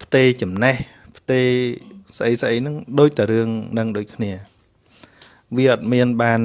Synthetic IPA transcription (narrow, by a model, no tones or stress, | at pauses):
pʰt̪eːt͡ɕɑmnɛh | pʰt̪eːsʔəjsʔəjnɨŋɗoːc̚t̪aɾɨəŋnɨŋɗoːc̚kʰniə | ʋiəʔɑt̪̚miənɓaːn